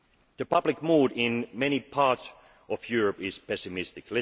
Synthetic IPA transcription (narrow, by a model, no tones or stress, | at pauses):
ðɨpʰʌblɨkmuːɾɪ̃nmɛñipʰɑɹts | ɔvjʊɹɨpɪz̥pɛsɨmɪstɨklɪ